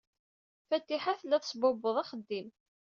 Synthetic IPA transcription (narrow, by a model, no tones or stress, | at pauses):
fæt̪ːiħaθlːæθsˤbʊbəðˤɑχəd̪ːim